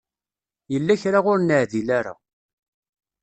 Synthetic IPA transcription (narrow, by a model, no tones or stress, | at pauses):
jəlːæçɾaʁʊɾnəʕðilaɾa̰